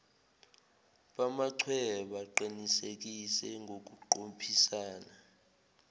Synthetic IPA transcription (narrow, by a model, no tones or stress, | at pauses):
ɓamaǀʰwɛɓaǃinisek̬isɛŋʱok̬uǃompʰisaːna